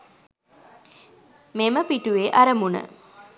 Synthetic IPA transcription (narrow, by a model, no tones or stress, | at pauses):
meməpiʈuʋeʔɐɾəmunə̰